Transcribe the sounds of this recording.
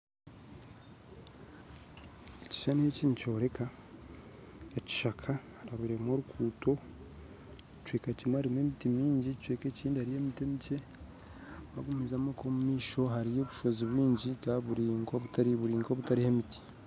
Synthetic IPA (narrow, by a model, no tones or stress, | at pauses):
eci̥ʃanieciːnicoɾe̞ka | eci̥ʃakʰahɾaβiɾemoɾukʰuːto̞ | cweːkacimaɾimwemitimiːɲɟit͡ʃweːkeciːndihaɾijemitemice̞ | βa̰ɡumizamokomumiːʃo̞ɦaɾijo̞ːβuʃo̞ziβwiːɲɟikaβuɾiːŋɡoβutaɾiβuɾiːŋɡoβutaɾihe̞miti̥